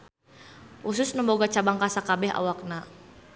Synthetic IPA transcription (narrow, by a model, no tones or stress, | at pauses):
ʔusʊsnəmboɡat͡ʃabaŋkasakabɛɦa̰wak̚na